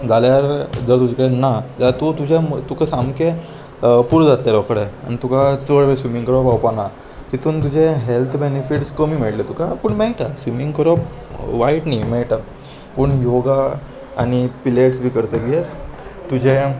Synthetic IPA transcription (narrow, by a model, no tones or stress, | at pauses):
d͡zaljaɾd͡zəɾt̪ud͡ʑʱekəɽenad͡zat̪ut̪ud͡ʑemt̪ukasamke | puɾd͡zat̪ljaɾɔkəɽea̰ñit̪ukat͡səɭʋesʋimiŋɡkəɾɔpawpana | t̪it̪uːnt̪ud͡ʑeɦelt̪ʰbenefiʈskəmiːmeʈlet̪ukakuɳmejʈasʋimiŋɡkəɾɔp | ʋaiʈnimeɭʈa | pəɳjoɡa̰ː | ɽ̃ipileʈsbʱiːkəɾt̪əɡieɾt̪ud͡ʑe